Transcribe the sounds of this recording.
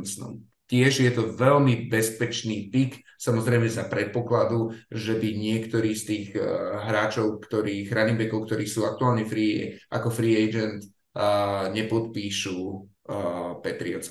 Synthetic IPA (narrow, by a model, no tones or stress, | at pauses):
t͡snɔ̰m | c̪ɪɛʒjɛt̪ɔʋɛʎmibɛspɛt͡ʃniːpik | samɔzɾɛɪmɛzapɾɛt̪̚pɔklad̪uʒɛbiɲɪɛkt̪ɔɾiːst̪iːɣɦɾaːt͡ʃɔʊkt̪ɔɾiːɣɾanimbɛkɔʊkt̪ɔɾiːsuːak̚t̪uaːlɲɛfɾiːʔa̰kɔfɾiːɛjd͡ʒɛnt̪ | ɲɛpɔt̪̚piːʃu | pɛt̪ɾiɔ̰t͡s